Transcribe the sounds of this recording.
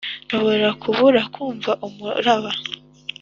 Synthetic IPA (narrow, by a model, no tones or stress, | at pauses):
nʃo̞βo̞ɾakʰuβuɾakʰuːɱvaʔumṵɾaβa